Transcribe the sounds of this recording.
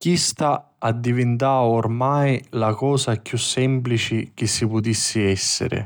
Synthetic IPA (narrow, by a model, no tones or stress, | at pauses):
kist̪aː | d̪ːivɪnt̪̬aːʊrmajlakɔːsakjusːɛmplit͡ʃɪk̟ɪsːipʊt̪isːɪɛsːɪ̰ɾɪ̰